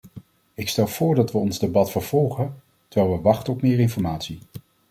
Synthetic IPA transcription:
ɪkstɛlˠv̥ʊːɹdɑtʋəɔnzdebɑtfəɹv̥ɔlˠχən | təɹʋɛlˠʋəʋɑχtənɔpmɪːɹɪnfɔɹmaːtsi

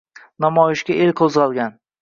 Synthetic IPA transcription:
namɒjɪʃɡʲaʔelkʰozʁɑlˠɡʲan

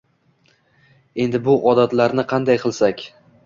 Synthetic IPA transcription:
e̞nd̪ɪbʊʔɒd̪at̪laɾnɪqʰɑnd̪ajqʰɨlˠsakʲ

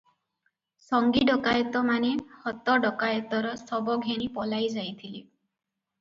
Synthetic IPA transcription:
sɔŋɡiɖɔkajɔt̪ɔmanehɔt̪ɔɖɔkajɔt̪ɔɾɔsɔbɔɡʱenipɔlajd͡ʒajt̪ʰili

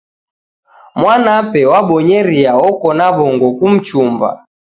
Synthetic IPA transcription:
mwanapɛwaɓɔɲɛɾiaɔkɔnaβɔŋɡɔkum̩t͡ʃumba̰

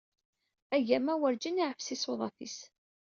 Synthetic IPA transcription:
æjæmæwəɾd͡ʒiniʕəfsisoðˤɑθḭs

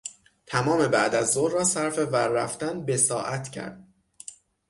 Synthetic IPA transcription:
t̪ʰæmɒːme̞bæʔd̪æzːoɾrɒːsæɾfe̞væɾːæft̪ænbe̞sɒːʔæt̪cʰæ̰ɾd̪̥̚

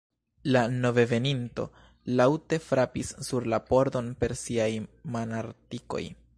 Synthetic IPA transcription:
lano̞ve̞ve̞ninto̞̰ | lawte̞fɾapisːuɾlapo̞ɾdo̞npe̞ɾsiajmonaɾtiko̞̰j

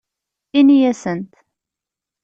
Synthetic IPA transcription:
inijæsənt̪

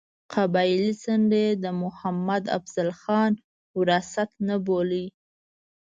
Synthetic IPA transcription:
qʰabɑjlisaɳɖed̪əmʊhamad̪a̰fz̥alxɑn | wɾasat̪naboləj

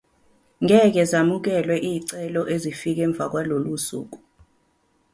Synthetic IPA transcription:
ŋɛk̬ɛzamuk̬ɛlwɛʔiːǀɛlɔʔezifik̬ɛːɱb̪vʱak̬walolusṵːk̬u

